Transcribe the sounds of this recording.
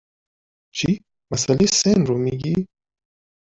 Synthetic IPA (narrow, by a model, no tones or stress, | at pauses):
t͡ʃʰi | masalesenɾomiɡi